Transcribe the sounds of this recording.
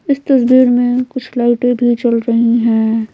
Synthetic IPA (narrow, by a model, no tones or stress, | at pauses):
ɪst̪ɐsbiːɾmẽkʊt͡ʃʰlaɪʈẽbʱit͡ʃɐlɾəɦiɦɛ̃ː